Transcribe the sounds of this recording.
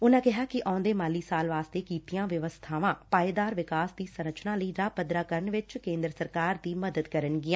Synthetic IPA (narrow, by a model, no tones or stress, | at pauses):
ʊnãːkɪɦaːkɪʔaːʊ̃nd̪eːmaːliːsaːlʋaːst̪eːkiːt̪ijãːʋjəʋəst̪ʰaːʋãːpaːid̪aːɾʋɪkaːsd̪iːsəɾət͡ʃnãːləiːɾaːpəd̪ɾaːkəɾəɳʋɪt͡ʃkẽːnd̪ɾəsəɾkaːɾd̪iːməd̪əd̪kəɾənɡɪãː